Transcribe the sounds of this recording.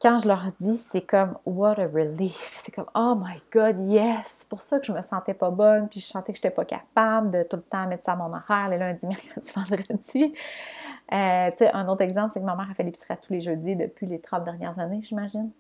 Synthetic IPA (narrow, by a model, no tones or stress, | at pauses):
kɑ̃ʒəlœʁd̪isɛkɔmwʌɾəɹilifsɛ̥kɔmomajɡɑd̪jɛse̥puʁsʌkəʒəməsɑ̃t̪ɛpɔbɔnpiʒəsɑ̃t̪ɛkəʒe̥t̪ɛpɔkʲa̰pabld̪ət̪ulət̪ɑ̃amɛt̪saːmɔ̃nɑʁɛːʁelɔ̃ɛ̃d̪imɛʁkχəd̪ivɑ̃d̪ʁəd̪i | øt̪t͡seʔə̃not̪ɛɡzɑ̃plsekəmamɛːʁafelɪpisʁɛat̪ʰuleʒøːd̪id̪əpʰʲɥilet̪χɑ̃t̪̚d̪ɛʁnjɛ̰ʁzaneʒimaʒɪn